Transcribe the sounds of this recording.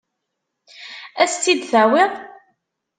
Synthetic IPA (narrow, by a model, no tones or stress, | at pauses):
æst̪ːid̪θæwiʁ